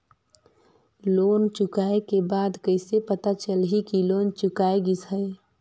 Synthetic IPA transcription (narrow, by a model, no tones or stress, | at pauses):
loːnt͡ʃʊkaːekebaːd̪kəɪsepət̪at͡ʃəlɦikiloːnt͡ʃʊkaːeɡisəe